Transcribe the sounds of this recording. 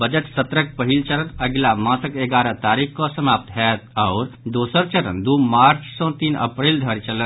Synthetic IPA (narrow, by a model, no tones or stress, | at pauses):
bəd͡ʒəʈsət̪ɾək̚pəɦilt͡ʃəɾənəɡlamãsəkeɡaːɾət̪aɾikʰkɔsəmaːp̚t̪ɦɛt̪̚ɔʊɾd̪oːsəɾt͡ʃəɾə̰nd̪umaːɾt͡ʃsɔ̃t̪iːnə̰pɾeld̪ʱəɾt͡ʃələn